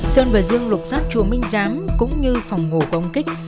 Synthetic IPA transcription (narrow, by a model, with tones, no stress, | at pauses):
səː˧nvəː˨˩jzɨ˧əŋlʊ˨˩t̚saː˦˥t̚t͡ɕu˧˩əmï˧ŋ̟zaː˨˦mkʊ̰˧˥ŋ͡mɲɨ˧fa˨˩wŋ͡mɦo˨˩ku˧˩˨ʔə˧wŋ͡mki˦˥k̟̚